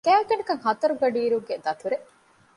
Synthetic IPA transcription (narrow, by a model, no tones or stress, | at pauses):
kæːkɐnikɐŋhɐt̪ɐɾuɡɐɖiːɾuŋɡed̪ɐt̪uɾe